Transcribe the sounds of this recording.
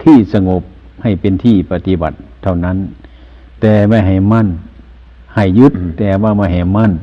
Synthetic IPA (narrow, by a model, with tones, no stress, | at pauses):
t̪ʰiː˧˩sa˧ŋo˧˦p̚ | ha˨˩jpe˧˨nt̪ʰiː˧˩pa˧t̪i˧˥ba̰˨˩t̪ʰːa˧˩wna˧˥˨n | t̪ɛː˨˧ma˧˥˩jɦa˨˩jma˧˥˨n | ha˨˩jːu˧˦t̪ːɛː˧˩waː˧˩ma˧˥˩jɦa˨˩jma˧˥˨n